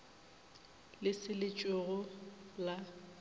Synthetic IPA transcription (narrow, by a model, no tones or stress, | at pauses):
lɪsɪlɪt͡ʃʼʊɣʊla